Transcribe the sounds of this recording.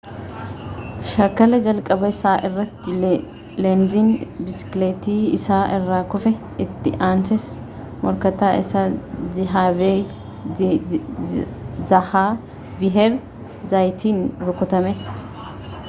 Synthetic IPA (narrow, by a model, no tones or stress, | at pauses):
ʃɐkːɐlɛd͡ʒɐlkʼːɐbɐɪsaːʔɛrːɐt̪ːɪ | lɛnd̪ɪnbɪsɪ̥kleːt̪iːɪsaːʔɛrːaːkʊfɛ | ɪt̪ːɪʔaːnsɛs | mɔɾkɐt̪aːɪsɐzɪɦaːbeː | zɐhaː | bɪɦɛɾ | zɐjt̪ʰiːnɾɔkːɔt̪ɐmɛ